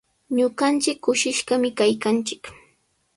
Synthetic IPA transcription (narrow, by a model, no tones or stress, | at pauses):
ɲoɢɑnt͡ʃɪkːʊʃɪʃɢɑmɪkajkant͡ʃɪk